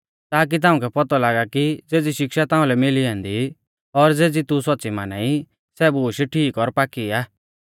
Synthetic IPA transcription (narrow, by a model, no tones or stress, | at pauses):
t̪aːk̬it̪̬ãːũkʰɛpɔt̪ɔlaːɡakid͡zeːd͡ziʃɪkʃat̪ãːʊ̃lɛmɪliãːnd̪i | ɔɾd͡zeːd͡zit̪usɔt̪ːsima̰ːnaːi | sɛbuːʃʈʰiːkɔɾpaːkiaː